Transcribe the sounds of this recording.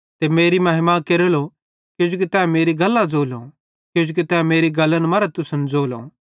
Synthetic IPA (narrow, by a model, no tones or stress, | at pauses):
t̪emeːɾimɐɦɪmãkeɾəlo | kjõːd͡ʒok̬it̪ɛːmeːɾiɡɐlːãd͡zoːlõ | kjõd͡ʒok̬it̪ɛːmeːɾiɡɐlːənmɐɾɛt̪ʊsənd͡zoːlõ̰ː